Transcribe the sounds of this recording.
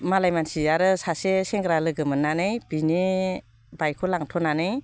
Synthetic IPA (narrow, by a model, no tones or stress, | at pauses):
malajmansiaɾɯsaseseŋɡɾalɯɡɯmɯnːanɯjbini | bajkʰɔlaŋtʰɔnanɯj